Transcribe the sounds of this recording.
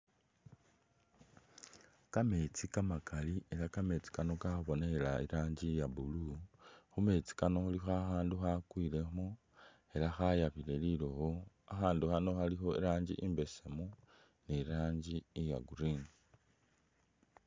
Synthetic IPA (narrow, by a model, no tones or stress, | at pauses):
kame̞t͡sikamakalie̞lakame̞t͡si̥kano̞kaxuβo̞nelaiɾaːɲɟijabuluxume̞t͡si̥kano̞xulixoaxaːnduxakwiːle̞mu | e̞laxajaβile̞liloho | axaːnduxano̞xalixo̞iɾaːɲɟḭʔimbe̞semu | neɾaːɲɟiːja̰ɡuɾin